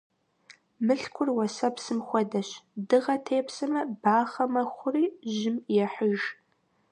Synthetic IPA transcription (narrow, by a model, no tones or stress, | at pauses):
mɨɬkʷʰʊrwɐsɐpsɨmxʷɐdɐɕdɨʁɐtʰeːpʰsɨmɐb̥aːχɐmɐχʷʊriːʒɪmjɛħəʒ